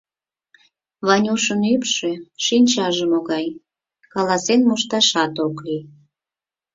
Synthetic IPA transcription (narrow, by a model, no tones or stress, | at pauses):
βɑnʲuʃənypʃeʃinʲt͡ɕɑʒəmoɣɑj | kɑlɑsenmuʃt̪ɑʃɑt̪okli